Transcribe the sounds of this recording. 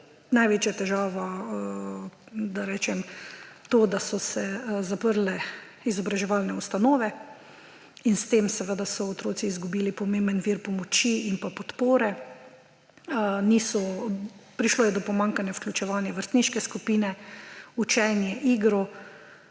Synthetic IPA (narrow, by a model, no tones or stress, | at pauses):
najʋeːt͡ʃjat̪ɛʒaːʋɔ | d̪aɾɛːt͡ʃɛmt̪oːd̪asɔsɛzapəɾlɛ | izɔbɾaʒɛʋalnɛust̪anoːʋɛ | inst̪emsɛʋəd̪asɔot̪ɾoːt̪siːzɡubiːlipɔmẽːmbənʋiɾpɔmɔt͡ʃiimpapɔt̪poːɾɛ | nisɔ | pɾiʃloːjɛd̪ɔpɔmãŋkanjafklʲut͡ʃɛʋaːnjaʋəɾst̪niːʃkɛskupiːnɛut͡ʃɛnjɛʔiːɡɾɔ